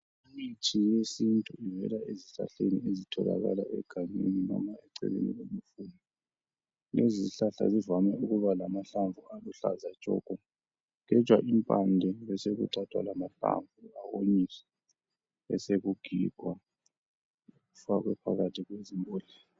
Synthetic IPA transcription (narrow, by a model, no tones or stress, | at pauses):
imitʰijesintʼuivɛ̰laeziɬa̰ɬeniezitʰɔla̰ɣalaɛ̰ɡ̥ʱaɲeninɔmaɛǀɛ̰ɣḛnḭlomufuni | leziɬaɬa̰zivamɛuɣuβalamaɬaɱvualuɬazḁt͡ʃʼɔ̰ɡ̥ʱɔ | ɣɛ̥t͡ʃwaʔimpʼandʱɛβɛseɣuǀatʰwa̰lamaɬa̰ɱvuawoɲiɛ | ɛseɣuɡ̥ʱiɡ̥ʱwa | uɣufaɣwɛpʰaɣatʰiɣwezimbʱʼoːɮi